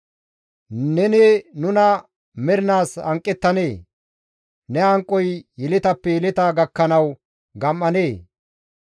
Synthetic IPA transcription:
nɛnenʊnɐ | mɛɾɪnaːsɐŋkʼːɛt̪ːɐneː | nɛɐŋkʼːɔjjɪlɪt̪ɐpːɛjɛlɪt̪ɐɡɐkːɐnɐw | ɡɐmːɐneː

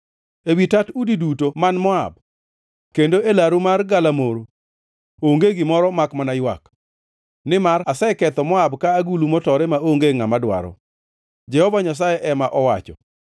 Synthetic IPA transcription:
ewitatudidutomanmɔa̰b | kendoʔelaɾumarɡalamoɾo | oŋɡeɡɪmɔɾɔmakmanajwa̰k | nɪmaɾasɛkɛt̪ɔmɔabkaːɡulumɔtɔɾɛmaoŋɡeŋamadwa̰ɾɔ̰ | d͡ʒɛhɔvaɲas̬ajɛʔɛmaʔɔwat͡ʃɔ̰

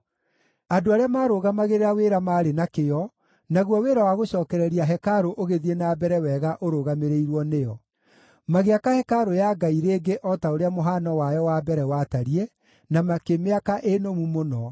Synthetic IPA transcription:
adoaɾeamaːɾoːɣamaɣeɾeɾaweːɾamaːɾenakejɔ | naɣwɔweɾawaɣoɕɔːkɛɾɛɾiaɦɛkaɾoʔoɣeðienaːbɛɾɛwɛɣaʔoɾoɣameɾeiɾwɔnejɔ | maɣeakahɛkaɾojaɡaiɾeːɡeʔɔtaoɾeamoɦanɔwajɔwabɛɾɛwataɾiɛ | namakemeakaʔenomumonɔ

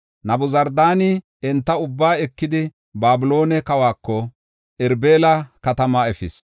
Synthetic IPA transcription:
nɐbʊzɐɾd̪aːnɪ | ɛnt̪ːɐʊbːaːɛkːɪd̪ɪ | baːbɪlo̞ːnɛkɐwaːkːɔ | ʔɛɾbeːlɐkɐt̪ɐmɐɛfɪs

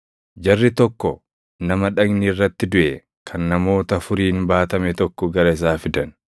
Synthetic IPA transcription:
d͡ʒɐrːɪt̪ɔkːɔ | nɐmɐᶑɐɡnɪrːɐt̪ːɪd̪ʊʔɛ | kʰɐnːɐmo̞ːt̪ɐfʊɾiːnbaːt̪ɐmɛt̪ɔkːɔɡɐɾɐɪs̬aːfɪd̪ɐn

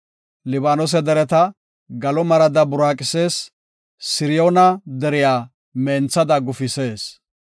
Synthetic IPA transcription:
lɪbaːnɔs̬ɛd̪ɛɾɛt̪ɐ | ɡɐlɔmɐɾɐd̪ɐbʊɾaːkʼɪse̞ːs | sɪɾɪjoːnɐd̪ɛɾɪjaː | mɛːnt͡sːɐd̪ɐɡʊfɪse̞ːs

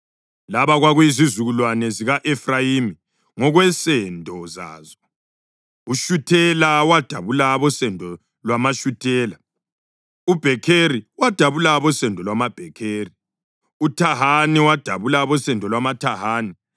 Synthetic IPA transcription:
laβaɣwaɣuizizuɣulwanɛziɣaʔɛfrajimi | ŋɔɣwɛsɛndʱɔza̰ːzɔ | uʃutʰɛlawad̥ʱaβulaβɔsɛndʱɔ | lwamaʃutʰɛːla | ub̥ʱɛkʰeriwad̥ʱaβulaβɔsɛndʱɔlwamab̥ʱɛkʰeːri | utʰaɦaniwad̥ʱa̰βulaβɔsɛndʱɔlwamatʰaɦaːni

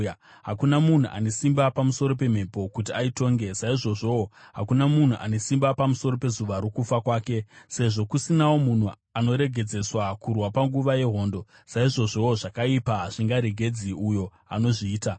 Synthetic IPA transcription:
ɦakunamun̤uʔa̰ne̞simbapamuso̞ɾo̞pe̞m̤e̞po̞kut̬iaito̞ːŋɡe̞saiʐo̞ʐo̞woɦakunamun̤uʔa̰ne̞simbapamuso̞ɾo̞pe̞zuʋaɾokufakwaːke̞se̞ʐo̞kusinawo̞mun̤u | ano̞ɾe̞ɡʱe̞d͡ze̞swakurwapaŋɡuʋaje̞ɦo̞ːndo̞ | saiʐo̞ʐo̞oʐakaipaɦaʐ̥iŋɡaɾe̞ɡʱe̞d͡ziujo̞ | a̰no̞ʐiːta

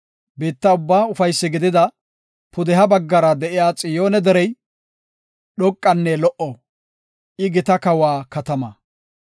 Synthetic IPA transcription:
beːt̪ːɐʊbːaːʊfɐjsːɪɡɪd̪ɪd̪ɐ | pʊd̪ɛɦɐbɐɡːɐɾɐd̪ɛʔɪjaːt͡sʼɪjo̞ːnɛd̪ɛɾɛj | ɗɔkʼːɐnːɛlɔʔɔ | ʔɪɡɪt̪ɐkɐwaːkɐt̪ɐmɐ

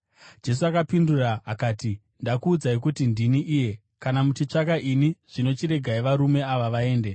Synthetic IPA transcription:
d͡ʒe̞s̬uakapinduraːkaːti | ndakuːd͡zaikutindiniʔiːje̞ | kanamut͡ʃit͡ʂakaʔiniʐ̥ino̞t͡ʃiɾe̞ɡʱaiʋaɾume̞aʋaʋae̞ːnde̞

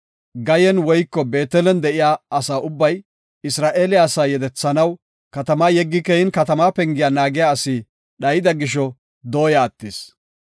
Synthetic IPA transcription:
ɡɐjɛnwɔjkːɔbe̞ːt̪ɛlɛnd̪ɛʔɪjaːɐsaːʊbːɐj | ɪsɾaːʔeːlɪaːsaːjɛd̪ɛt͡sːɐnɐw | kɐt̪ɐmaːjɛɡːɪkɛhɪnkɐt̪ɐmaːpɛŋɡɪjaːnaːɡɪjaːsiː | ɗɐjɪd̪ɐɡɪʃ̬ɔ | d̪o̞ːjaːt̪ːɪs

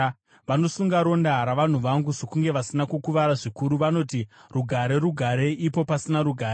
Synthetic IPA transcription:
ʋano̞suŋɡaɾo̞ndaɦɾaʋan̤uʋaŋɡuzokuŋɡe̞ʋasinakukuʋaɾaʐikuɾuʋano̞tiruɡʱaɾe̞ɾuɡʱaɾe̞ʔipo̞pasinaɾuɡʱaːɾe

